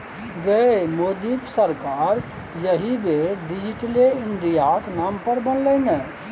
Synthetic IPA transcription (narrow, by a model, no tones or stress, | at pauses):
ɡəemoːd̪iksəɾkaːɾ | jɐɦibʱeɖɪd͡ʒɪʈəleɪnɖijaknaːmpɐɾbɐnleːnɛ